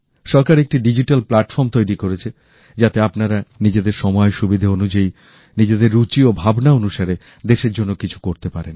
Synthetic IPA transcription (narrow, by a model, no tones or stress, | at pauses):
ʃɔɾkaɾek̚ʈiɖid͡ʑiʈalplaʈfɔɾmt̪ojɾikoɾet͡ɕʰe | d͡ʑat̪eapnaɾanid͡ʑed̪eɾʃɔmɔeʃubid̪ʱaonud͡ʑai | nid͡ʑed̪eɾːut͡ɕiobʱabnaonuʃaɾe | d̪eʃeɾd͡ʑonːokit͡ɕʰu̥koɾt̪epaɾen